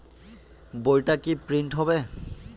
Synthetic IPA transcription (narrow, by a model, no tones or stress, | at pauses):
bojtakipɹintɦɔβɛ